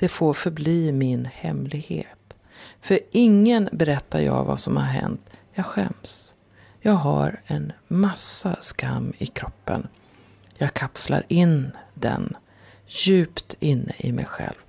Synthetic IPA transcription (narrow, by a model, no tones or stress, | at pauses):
d̪̥ɛfoːɾfœɾbliːmɪnhɛmlɪɡheːt̪ | fœɾʔɪŋːənbɛɾɛt̪ːajɑːvasɔmhaɾɦɛnt̪jɑːɡɧɛms | jɑːɡɦaɾɛnmasːaskamːɪkʰɾɔpːən | jɑːɡkʰapslaɾɪnd̪ɛ̰n | jʉ̟ːpt̪ɪnːəʔɪmɛjɧɛ̰lv